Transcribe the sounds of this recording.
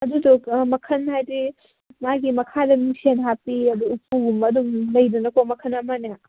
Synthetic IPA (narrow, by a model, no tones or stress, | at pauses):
ɐdudomɐkʰɐnhajdi | maɡimɐkʰadɐmisenɦapiɐduːpʰuɡumɐdumlɐjdɐnɐkomɐkʰɐnɐmanja